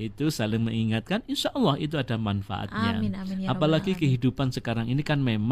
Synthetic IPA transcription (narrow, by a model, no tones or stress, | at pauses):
it̪usalɪŋməŋiŋat̪̚kaninʃaʔɔlːɑhit̪̬uadamanfa̰ʔa̰t̪ɲa̰apalaɡikəɦidupansəkaɾaŋinikanmem